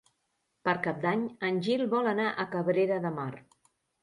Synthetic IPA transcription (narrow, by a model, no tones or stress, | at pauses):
pəɾkap̚d̪aɲənʲʒilˠβɔlənaʔəkəβɾeɾəðəmar